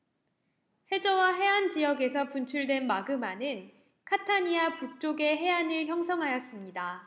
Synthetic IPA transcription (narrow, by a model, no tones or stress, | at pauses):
he̞d͡ʑʌwaɦe̞and͡ʑijʌɡe̞sʰʌpunt͡ɕʰuɭdwe̞nmaɡɯmanɯn | kʰatʰaɲiapuk̚t͡ɕ͈oɡe̞ɦe̞anɯɭçjʌŋsʰʌŋɦajʌs͈ɯmɲida